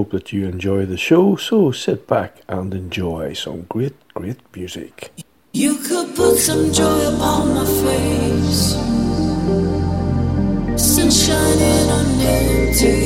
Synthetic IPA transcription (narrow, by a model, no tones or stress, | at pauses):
oʊp̚ðət͡ʃəɛ̃nd͡ʒɔɪðəʃoʊsoʊsɪt̚b̥akə̃nɛ̃nd͡ʒɔɪsə̰̃mɡ̥ɹet̚ɡ̥ɹetmjʉːzɪ̰k | jɨkʰəd̚pʰʊtsʌ̃md͡ʒɔɪəpʰɔ̃nməfeɪs | sɪ̃nʃanɪnə̃nːɛ | əde